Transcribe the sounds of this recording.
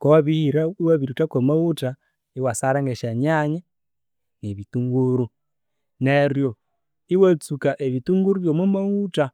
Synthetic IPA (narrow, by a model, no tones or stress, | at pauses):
kowaβihiɾaiwaβiɾutakomauta | iwasaɾaŋɡeʃaɲaɲe | neβituŋɡuɾu | neɾjo | iwat͡sukaʔeβituŋɡuɾuβjomwumauta